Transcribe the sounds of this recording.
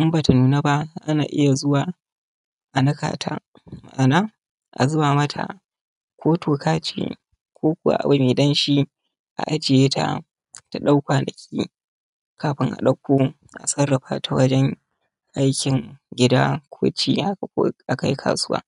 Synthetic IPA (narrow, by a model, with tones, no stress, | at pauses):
ʔɪ˦mbaː˨ta˨nuː˨na˦ba˦ʔa˦naː˨ʔɪ˦ja˨zʊ˦waː˨ | ʔa˨nɐ˦ka̰ː˨tʰa̰ː˦ | ma̰˨ʔa˨naː˦ | ʔa̰˨zʊ˦baː˨mɐ˦tʰa̰˨ | kʷoː˦tʰoː˨kaː˦t͡ʃḛ˨ | kʷʰoː˦kʷʊ˨wa̰˨ʔa̰˨wa˦meː˨dɐ˦nʃi˦ | ʔa̰˨ʔa˦d͡ʒɪ˨jeː˦tʰa̰˦˨ | ta˨ɗa˦wkʷaː˨nɐ˨kʲʰḭː˦ | kʰaː˨ɸɪ˦ŋʔa̰˨ɗɐ˦kʷːoː˦ | ʔa̰˨sɐ˦rːɐ˨ɸa̰˦tʰa˨˦wɐ˦d͡ʒɛ˦ŋ | ʔa˦jkʲɪ˨ŋɡʲɪ˦da˦kʷʰo̰ː˦t͡ʃiː˦ʔa̰˦˨˦ʔa˦ka˨ji˦kʰa̰ː˨sʊ˦wa̰ː˦